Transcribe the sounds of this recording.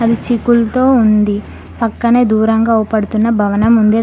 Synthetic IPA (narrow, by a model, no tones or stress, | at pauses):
ɐd̪it͡ʃikult̪o̞ːund̪i | pɐkːɐneːd̪uːɾɐŋɡaːupɐɽut̪unːɐbʱɐʋɐnɐmund̪e